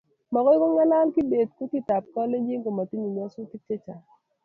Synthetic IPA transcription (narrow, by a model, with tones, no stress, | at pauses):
mɔ˨kɔ˦ko˦ŋa˦la˦lkɪ˦be˨d̚ku˦ti˦˨ta˨p̚kɔ˦le˦d͡ʒi˦ŋɡo˨ma˨ti˦ɲi˨ɲɔ˦sʊ˦ti˦t͡ʃe˦t͡ʃa˨